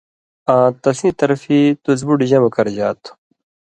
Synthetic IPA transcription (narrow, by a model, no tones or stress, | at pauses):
ãːt̪ɐsĩːt̪ɐɾfit̪uzbuɖiʑɐmɐkɐɾd͡ʑaːt̪